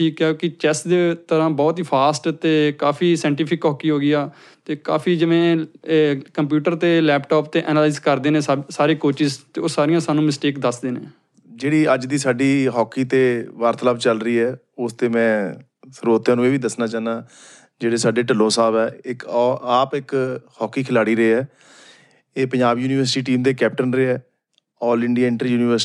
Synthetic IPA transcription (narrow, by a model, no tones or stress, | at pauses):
ʈʰiːkːjokɪt͡ʃɛsd̪eːt̪əɾãːbɔːt̪ɦiːpʰaːsʈt̪eːkaːfʰiːsɛ̃ːɳʈɪːpʰɪkɦɔːkiːɦoːɡɪaː | t̪eːka̰ːpʰiːd͡ʒɪʋẽː | kəmp̬juːʈəɾt̪eːlɛːpʈɔːp̚t̪eːʔɛːnaːlaɪzkəɾd̪eːnẽːsaːɾiːkoːt͡ʃɪzt̪eːoːsaːɾɪjãːsaːnũːmɪsʈeːkd̪əsd̪eːnḛ̃ː | d͡ʒeːɽiːəd͡ʒd̪iːsaːɖiːɦɔːkiːt̪eːʋaːɾt̪əlaːbt͡ʃəlɾəiːɛː | ʊst̪eːmɛ̃ː | səɾoːt̪jãːnũːeːʋiːd̪əsnaːt͡ʃaːnãː | d͡ʒeːɽeːsaːɖeːʈəlːõːsaːbɛːɪkːaːpɪkhɔːkːiːkʰɪlaːɽiːɾəeːɛː | eːpəɲd͡ʒaːbjuːniːʋəɾsʈiːʈiːmd̪eːkɛːp̚ʈənɾeːɛː | ɔːɾlɪɳɖijaːɪɳʈɾjuːniːʋəɾ